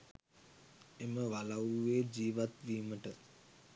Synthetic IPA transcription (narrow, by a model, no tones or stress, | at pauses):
eməʋalawuːeːd͡ʑiːʋat̪ʋiːməʈə